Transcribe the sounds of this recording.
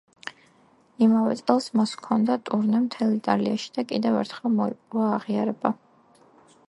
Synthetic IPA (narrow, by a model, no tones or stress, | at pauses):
imavɛ̰t̪sʼɛlˠsmaskʰɔnd̪at̪ʼuɾnɛmt̪ʰɛlˠit̪ʼaliaʃi̥d̪akʼid̪ɛvɛ̰ɾt̪ʰχɛlˠmɔipʼɾuaːʁiaɾɛba